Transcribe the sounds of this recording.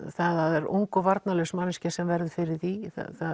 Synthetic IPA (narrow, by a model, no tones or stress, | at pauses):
θaðaðɛɾṵŋkɔvaɾt̪nalœsmanːɪscasɛmvɛɾðʏfɪɾɪɾ̥θiθa̰θa